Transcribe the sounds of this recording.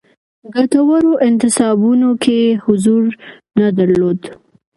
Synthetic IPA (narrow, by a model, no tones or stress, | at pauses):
ɡat̪awaɾoʔɪnt̪ɪsɑbunokʰehʊzuɾ | nad̪aɾlod̪